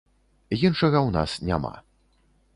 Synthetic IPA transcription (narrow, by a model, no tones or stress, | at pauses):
jinʂɐɣɐwna̰snʲa̰ma̰